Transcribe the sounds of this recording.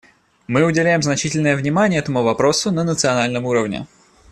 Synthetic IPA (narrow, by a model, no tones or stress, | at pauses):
mɨʊdʲɪlʲæjɪmznɐt͡ɕitʲɪlʲnəjəvnʲɪmanʲɪjəɛt̪əmuvɐpɾo̞sʊnənət̪sɨɐnalʲnəmuɾəvnʲɪ̰